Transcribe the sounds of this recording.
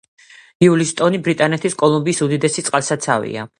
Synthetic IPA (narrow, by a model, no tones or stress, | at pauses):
iulist̪ʼɔnibɾit̪ʼanɛt̪ʰiskʼɔlˠumbiːsud̪id̪ɛsit̪sʼqʼalsat̪sʰa̰vḭa̰